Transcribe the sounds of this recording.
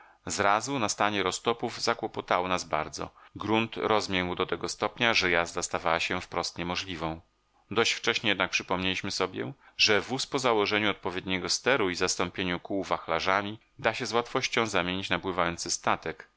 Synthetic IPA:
zɾazunast̪aɲɛɾɔst̪ɔpuvzakwɔpɔt̪awɔnazbaɾd̪zɔ̰ɡɾunt̪ɾɔzmʲjɛɲwd̪ɔt̪ɛɡɔst̪ɔpɲaʐɛjazd̪ast̪avawaɕɛfpɾɔst̪ɲɛmɔʐlʲivɔ̃w̃ | d̪ɔɕt͡ɕft͡ʂɛɕɲɛjɛd̪nak̚pʂɘpɔmɲelʲiɕmɘsɔbʲjɛ̰ | ʐɛvuspɔzawɔʐɛɲuɔt̪̚pɔvʲjed̪ɲɛɡɔst̪ɛɾuizast̪ɔmpʲjeɲukuːvaxlaʐamʲi | d̪aɕɛzwat̪fɔɕt͡ɕɔ̃w̃zamʲjeɲit͡ɕnabwɘvajɔnt̪sɘst̪at̪ɛk

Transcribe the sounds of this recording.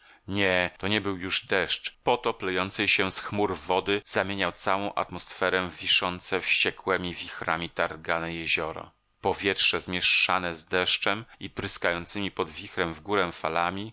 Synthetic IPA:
ɲɛt̪ɔɲɛbɘwjuʐd̪ɛʂt͡ʂpɔt̪ɔplɛjɔnt̪sɛjɕɛsxmuɾvɔd̪ɘz̥amʲjeɲawt̪sawɔ̃w̃ʔa̰t̪mɔsfɛɾɛvʲiʂɔnt̪sɛfɕt͡ɕɛkwɛmʲivʲixɾamʲit̪aɾɡanɛjɛʑɔɾɔ̰ | pɔvʲjɛtʂɛzmʲjɛʂːanɛzd̪ɛʂt͡ʂɛmipɾɘskajɔnt̪sɘmʲipɔd̪vʲixɾɛmvɡuɾɛfalamʲi

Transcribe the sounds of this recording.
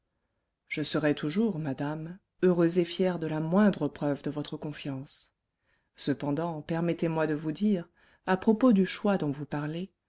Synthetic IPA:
ʒ̥əsəʁɛt̪uʒuʁmad̪am | øʁøzefjɛʁd̪əlamwɛ̃d̪ʁəpχœvd̪əvɔt̪χəkɔ̃fjɑ̃s | səpɑ̃d̪ɑ̃pɛʁmɛt̪emwad̪əvud̪iːʁ | apχɔpod̪yʃwad̪ɔ̃vupaʁle

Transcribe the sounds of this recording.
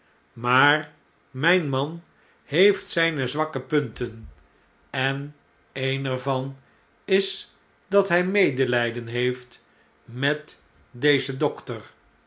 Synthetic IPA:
maːr | mɛjnmɑn | ɦejftsɛjnəzʋɑkəpɵntən | ɛn | ejnɛɹvɑn | ɪs | dɑtɦɛjmejdəlɛjdənɦejft | mɛt | dejzədɔktər

